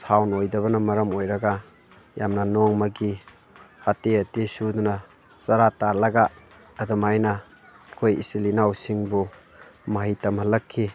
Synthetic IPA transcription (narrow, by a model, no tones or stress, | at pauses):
sawnojdɐβɐnɐmɐɾɐmojɾɐɡa | jamnɐnɔŋmɐɡi | hateɐtisudunɐ | sɐɾataɾlɐɡaː | dɐmajna | kʰojḭsilinawsiŋbu | mɐɦijtɐmhɐlɐkʰːi